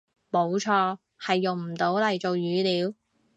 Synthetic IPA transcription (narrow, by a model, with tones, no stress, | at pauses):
mo˨˧wt͡ʃʰɔː˧ | hɐ˨jːʊ˨ŋm̩˨˩t̪o˨˥wlɐ˨˩jt͡so˨wjyː˨˥liː˨˧˥w